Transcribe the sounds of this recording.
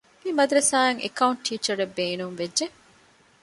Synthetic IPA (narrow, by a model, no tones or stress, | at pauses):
mimɐd̪ɾɐsaːeŋʔḛkɐuɳʈʈʰːiːt͡ʃɐɾebːeːnumʋedʒe